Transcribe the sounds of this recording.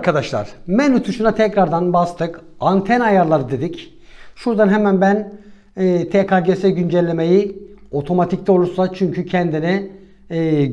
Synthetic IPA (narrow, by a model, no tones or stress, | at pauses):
ɾkʰad̪aʃlˠa̰ɾ̥mɛnut̪ʰuʃunat̪ʰɛcɾaɾd̪anbast̪ʰɯkant̪ʰɛnajaɾlˠaɾɯd̪e̞d̪ic | ʃuɾd̪anɦɛmænbænː | t̪ʰekaɟesɛɟynd͡ʒɛlʲːeme̞jio̞t̪ʰo̞mat̪ʰict̪ʲolˠuɾsat͡ʃʰyɲcʰycʰɛnd̪inɛː